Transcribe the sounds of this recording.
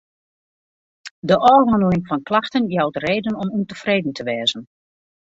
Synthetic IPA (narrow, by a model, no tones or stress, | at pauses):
dəʔɔːrɦɑndəlɪŋfɔnklaxtənjawtreːdənɔmuntəfreːdən̩tʰəʋɛːzən